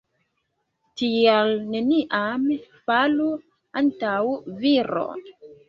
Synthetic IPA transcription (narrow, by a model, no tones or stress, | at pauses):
tialneniʔamfalu | antawviɾo̰